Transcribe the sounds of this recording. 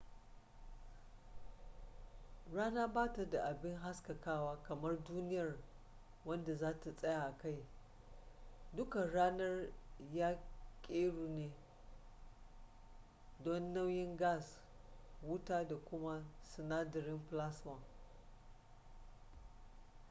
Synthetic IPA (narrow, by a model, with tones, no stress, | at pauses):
ɽaː˦naː˦baː˦ta˨da˨ʔa˨bɪ˦ŋɦa˦skɐ˨kaː˦waː˦kɐ˨mɐ˦rduː˦nɪ˦jɐ˨r | wɐ˦nda˨zaː˦ta˨sʼɐ˦ja˨ʔka˦j | dʊ˦ka˨ɽaː˦nɐ˦rjaː˦kʲʼeː˦ɽuː˨neː˦ | dɔ˦nːa˦wjɪ˦ŋɡaː˦˨s | wʊ˦taː˦da˨kʷʊ˦ma˦sɪ˨naː˦dɐ˨ɾɪ˦mɸla˦swɐ˨ŋ